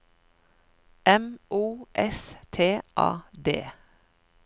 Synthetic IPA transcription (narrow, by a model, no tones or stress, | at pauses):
ʔɛmʔuːʔɛst̪ʰeːʔɑ̰ːd̪ḛː